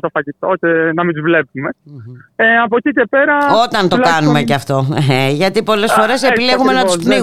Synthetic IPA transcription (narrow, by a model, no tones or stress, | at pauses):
t̪ofɐʝit̪oost̪enɐmind̪uzvle̞pume̞ | eɐp̬ocice̞peɾɐo̞t̪ɐnt̪okɐnumeceɐft̪o̞eʝɐt̪ipo̞le̞sfo̞ɾe̞sepile̞ɣumenɐt̪st̪nei